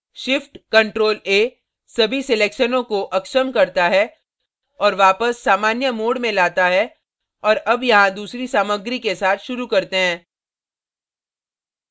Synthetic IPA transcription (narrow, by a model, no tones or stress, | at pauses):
ʃɪfʈkɐ̃ɳʈɾoːleː | sɐbʱisɪleːkʃənõkoʔɐkʃəmkɐɾt̪aɦɛ | ɔːɾʋaːpəsːaːmaːnjəmoːɽmẽlaːt̪aɦɛ | ɔːɾɐbjɐɦãd̪uːsɾisaːməɡɾikesaːt̪ʰʃʊɾukɐɾt̪eɦɛ̃ː